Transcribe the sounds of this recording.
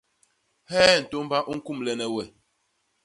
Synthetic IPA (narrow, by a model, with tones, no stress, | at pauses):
hɛː˦˨n̩˨to˦m˦ba˦ʔu˦ŋ̩˦ku˦˨mlɛ˨nɛ˨wɛ˨